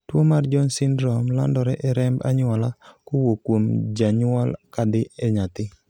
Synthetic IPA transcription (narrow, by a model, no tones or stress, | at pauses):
twomard͡ʒɔnsɪndɾɔmla̰ndɔɾɛʔɛɾɛmba̰ɲʊalakʊwokːwomd͡ʒaɲwɔlkadɪʔɛɲat̪ɪ